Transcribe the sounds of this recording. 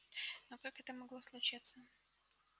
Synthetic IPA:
nokakɛt̪əmɐɡlˠoslˠʊt͡ɕit̪sə

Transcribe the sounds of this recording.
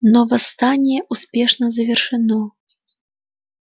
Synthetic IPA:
nɔvɐst̪anʲjɛʔuspʲɛʂnɐzɐvʲɛrʂɨnɔ

